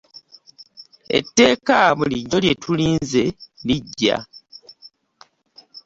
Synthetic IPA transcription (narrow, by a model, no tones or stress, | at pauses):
e̞̰tːe̞ːkamuliɲo̞lje̞tʰuliːnze̞liɟːa̰